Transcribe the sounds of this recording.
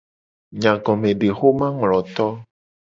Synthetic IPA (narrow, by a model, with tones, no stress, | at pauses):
ɲã˨ɡɔ̃˨mẽ˨ɖe˨xo˦mã˦ŋlɔ̃˨t̪ɔ˦